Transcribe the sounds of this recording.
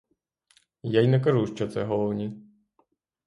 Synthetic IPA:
jajnɐk̬ɐʐuʂt͡ʃɔt̪sɛɦɔlˠɔwnʲi

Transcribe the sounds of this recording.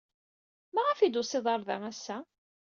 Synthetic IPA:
mæʁæfid̪usˤeðˤɑɾˤðæ̰ŋæsːæ

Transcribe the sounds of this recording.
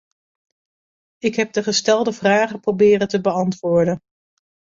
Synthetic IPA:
ɪkɦɛb̚dəχəstɛlˠdəvraːχəprobɪːrəntəbəɑntʋʊːɹdən

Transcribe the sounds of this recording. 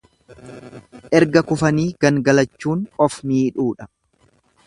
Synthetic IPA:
ʔɛɾɡɐkʊfɐniːɡ̥ɐŋɡɐlɐt͡ʃːuːnʼɔfmiːᶑuːᶑɐ̥

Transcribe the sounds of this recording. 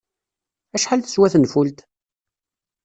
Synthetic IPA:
æʃħalθə̥swæθənfult̪

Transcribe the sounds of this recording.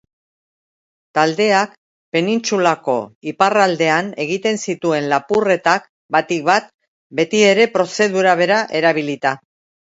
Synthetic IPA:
t̪ald̪e̞ak | pe̞nint͡sulako̞iparald̪e̞ane̞ɣ̞it̪e̞nsit̪ue̞nlapure̞t̪ak | bat̪ik̚bat̪ | be̞t̪ie̞ɾe̞pɾo̞se̞ðuɾaβ̞e̞ɾaʔe̞ɾaβ̞ilit̪a

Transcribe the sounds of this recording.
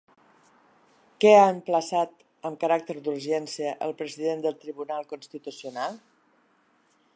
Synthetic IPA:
kɛaəmpləsat̪ | əmkəɾak̚t̪əɾd̪uɾʒɛnsiəʔəlˠpɾəziðend̪əlˠt̪ɾiβunalˠkunst̪it̪usiunalˠ

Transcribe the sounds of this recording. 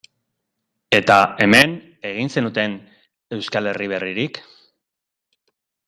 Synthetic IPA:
e̞t̪ae̞me̞n | e̞ɣ̞inse̞nut̪e̞n | e̞wskale̞riβ̞e̞riɾik

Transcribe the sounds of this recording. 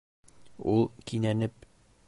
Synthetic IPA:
ulˠkinænɘp̚

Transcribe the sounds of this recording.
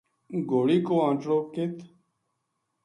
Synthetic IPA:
ɡoːɽiːkoːãːt͡ʃɽoːkɪt̪

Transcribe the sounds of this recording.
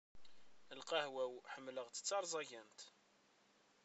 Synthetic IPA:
əlqɑhwæwħəmːləʁt̪ə̥t͡sːɑɾˤzˤɑʝænt̪

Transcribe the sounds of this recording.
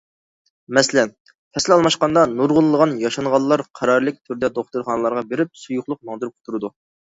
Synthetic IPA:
mɛsɪlɛn | pʰɛslɪɑlˠmɑʃqɑnd̪ɑnuɾʁʊnˠlˠəʁɑnjɑʃɑɴʁɑlˠlːˠɑɾqʰɑɾɑɾlˠɨk̚ʲt̪ʰyɾd̪ɛd̪oχt̪uɾχɑnəlˠɑɾʁɑbeɾɪp̚sujʊχlˠʊq̚mɑŋd̪ɨɾp̚qʰʊ̥t̪ʰuɾɨd̪u

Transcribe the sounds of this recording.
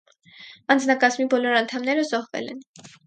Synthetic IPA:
ɑnd͡znɑkɑzmibɔlɔɾɑnt̪ʰɑmnɛɾəzɔʁvɛ̰lɛ̰n

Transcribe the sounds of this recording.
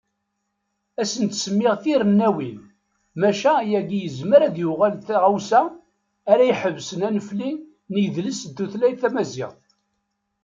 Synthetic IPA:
æsənt̪səmːɪʁθiɾənːæwin | mæʃæjæɡijəzməɾæðjuʁalθæʁawsæː | ɾæjħəvsənænəfli | nəjðləsd̪ːuθlæjθæmæzɪ̰ʁθ

